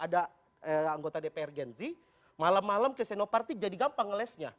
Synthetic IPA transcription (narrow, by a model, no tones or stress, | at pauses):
ʔada | əaŋɡot̪adepeɛrɡɛnzi | malamːaləmkesɛnopart̪ik̚d͡ʒadiɡampaŋəlɛsɲa